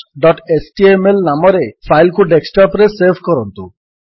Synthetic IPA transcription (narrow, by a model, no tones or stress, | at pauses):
ɖɔʈesʈiemelnamɔɾepʰajlkʰuɖeksʈɔpɾeseɾbʰʱkɔɾɔnt̪u